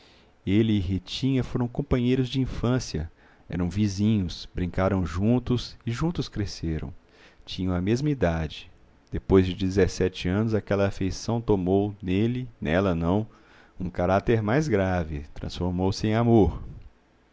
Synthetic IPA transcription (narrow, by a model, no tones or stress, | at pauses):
elɪːɦit͡ʃĩɲɐfoɾɐ̃w̃kõpɐ̃ɲejɾʊzd͡ʒɪĩfɐ̃siɐ | ɛ̰ɾɐ̃w̃vizĩɲʊsbɾĩŋkaɾɐ̃w̃ʒũt̪ʊsɪʒũnt̪ʊskɾeseɾɐ̰̃w̃ | t͡ʃĩɲɐ̃w̃ɐmezmɐid̪ad͡ʒɪ | d̪̥epojzd͡ʒɪd͡ʒɪzɛsɛt͡ʃɪɐ̃nʊzakɛlɐːfejsɐ̃w̃t̪omownelɪnɛlɐnɐ̃w̃ | ũkaɾat̪eɾmajzɡɾavɪ̰t̪ɾɐ̰̃sfoɾmowsɪẽj̃amoɾ